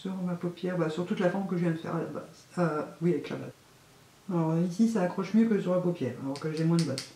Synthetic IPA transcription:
syʁmapopjɛʁbasyʁt̪ut̪lafɔʁmkəʒəvjɛ̃məfɛ̰ʁba̰ | awiavɛkla̰ba̰z | aɔʁisisaːkχɔʃmjøkəsyʁmapopjɛːʁa̰lɔʁkəʒɛmwɛ̃d̪əbɔn

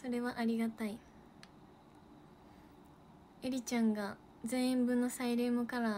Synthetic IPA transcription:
so̞ɾe̞βaʔaɾʲiɡat̪ai | e̞ɾʲit͡ɕãŋɡa | d͡zẽ̞ɰ̃ẽmbɯ̟nːo̞saiɾeːmokaɾa

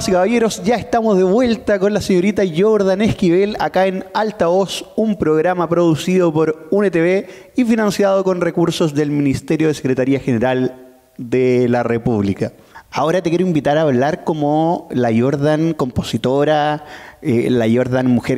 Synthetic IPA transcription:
sikaβajeɾo̞sɟ͡ʝaest̪amozðeβwe̞lt̪ako̞nlaseɲo̞ɾit̪aʝoɾð̞anehkiβe̞la̰kaenalt̪aosumpɾoɣɾamapɾo̞ðusið̞opoɾunet̪eβe | ifinansjað̞oko̞nrekuɾso̞sðe̞lminist̪eɾjoðesekɾet̪aɾiaxeneɾal | d̪elarepuβlika | ao̞ɾat̪ekjeɾoimbit̪aɾaːβlaɾkomolaʝoɾðaŋko̞mpo̞sit̪oɾa | elaʝo̞ɾðanmːuxeɾ

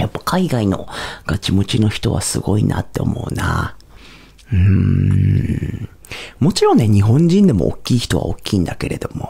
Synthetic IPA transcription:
japːakʰaiɡaino̞ɡ̥at͡ɕimo̞t͡ɕino̞çi̥t̪o̞βa̰sɨɡo̞inʔa̰t̪ːe̞o̞̰mo̞ɯ̟na | ɯ̟̃ | mo̞t͡ɕiɾõ̞nːe̞ɲ̟iɦõ̞ɲ̟d͡ʑĩnd̪e̞mo̞̰o̰kʲːiːçi̥t̪o̞βa̰okʲːĩːnd̪ake̞ɾe̞d̪o̞mo̞

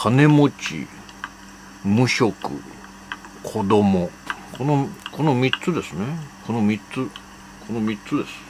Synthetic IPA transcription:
kʰane̞mot͡ɕḭ | mɯ̟ɕo̞kɯ̰ | kʰo̞d̪o̞mokʰonokʰo̞nomʲitt͡sɨd̪e̞sɨne̞kʰonomʲitt͡sɨ | kʰo̞nomʲit͡sɨd̪e̞sɨ̥

